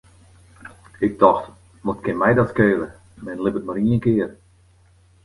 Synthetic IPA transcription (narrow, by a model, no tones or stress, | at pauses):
ɪk̚tɔxt | ʋotkʰɪnmɛjdɔtskøːlə | mɛnlɪpətmaɾiənkɪər